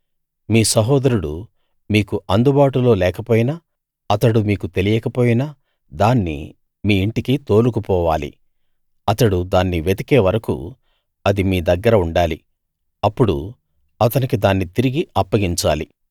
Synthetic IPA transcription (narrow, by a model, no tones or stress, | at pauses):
miːsɐɦɔːd̪ɐɾuɽu | miːkuʔɐnd̪ubaːʈulo̞ːlɛːkɐpoːjinɐ | ɐt̪ɐɽumiːkut̪e̞lijɛkɐpoːjinɐ | d̪aːnːḭ | miːɳʈikit̪o̞ːlukupɔːʋaːlḭ | ɐt̪ɐɽud̪aːnːiʋet̪ike̞ːʋɐɾɐkṵ | ɐd̪imiːd̪ɐɡːɐɾɐuɳɖaːli | ɐpːuɽṵ | ɐt̪ɐnikid̪aːnːit̪iɾiɡiɐpːɐɡiɲt͡ʃa̰ːlḭ